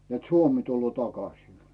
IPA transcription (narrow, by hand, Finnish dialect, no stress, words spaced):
net suomi tulːoː tɑkɑsin